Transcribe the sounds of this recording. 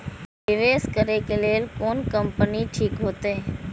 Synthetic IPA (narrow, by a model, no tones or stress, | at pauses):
ʋɪʋeːskəɾeːkeleːlkoːnkəmpəniʈʰiːkɦoːt̪eː